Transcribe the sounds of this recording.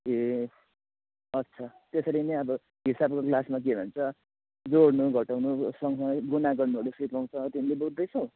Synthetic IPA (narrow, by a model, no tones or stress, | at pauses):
e | ʌt̪ːsʰʌt̪esʌɾinʌjʌbʌ | ɦisabkoklasmak̬ebʱʌnt͡sʰʌ | d͡zoɽnuɡʱʌʈawnusʌŋsʌŋɡʌjɡunaɡʌrnuoɽesipaw̃t͡sʰʌt̪inileboɡd̪ʌjt͡sʰʌw̃